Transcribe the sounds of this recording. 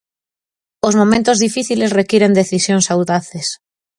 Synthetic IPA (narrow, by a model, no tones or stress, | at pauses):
ozmomẽnt̪ozðifiθilesrekiɾend̪eθisjoŋsawðaθes